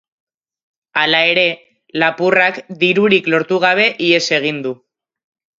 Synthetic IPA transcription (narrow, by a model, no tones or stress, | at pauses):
alae̞ɾe̞ | lapurakd̪iɾuɾiklo̞ɾt̪uɣ̞aβ̞e̞ʔie̞se̞ɣ̞ind̪u